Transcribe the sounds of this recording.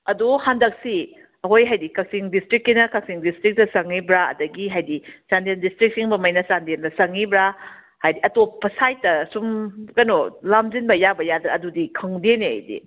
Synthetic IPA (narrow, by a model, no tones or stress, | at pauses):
ɐduhandɐk̚si | ɐɦojɦajdikɐk̚siŋdistɾikːinɐkɐk̚siŋdistɾik̚tɐsɐŋːibɾaɐ̰dɐɡiɦajdisandendistɾik̚siŋbɐmɐjnɐsandendɐsɐŋibɾa | hajdiʔɐtopːɐsajtːɐsumkɐnolamzinbɐjabɐjadɾaɐdudikʰɐŋdeneha̰jdḭ